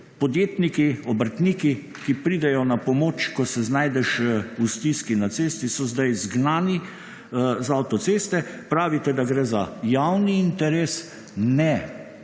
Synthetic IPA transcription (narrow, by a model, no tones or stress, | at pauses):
pɔd̪jeːt̪nikiɔbəɾt̪niːki | kipɾiːd̪ɛjɔnapɔmoːt͡ʃkɔsɛznajd̪ɛʃust̪iskinat̪seːst̪isɔzd̪ajzɡnaːni | zaawt̪ɔt̪sest̪ɛpɾaːʋit̪ɛd̪aɡɾɛːzajawniːnt̪ɛɾeːs | nɛ